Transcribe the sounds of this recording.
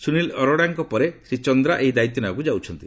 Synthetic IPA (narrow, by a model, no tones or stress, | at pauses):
sunilɔɾɔɽaŋkɔpɔɾesɾit͡ʃɔnd̪ɾaʔeɦid̪ait̪jɔnakud͡ʒawt͡ʃʰɔnt̪i